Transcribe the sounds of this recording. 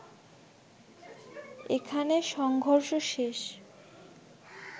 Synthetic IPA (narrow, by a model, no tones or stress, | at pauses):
ekʰaneʃɔŋɡʱoɾʃoʃeʃ